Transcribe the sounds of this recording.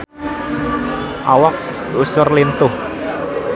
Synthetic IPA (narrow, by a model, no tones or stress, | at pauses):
ʔawak̚ | usʊrlint̪ʊh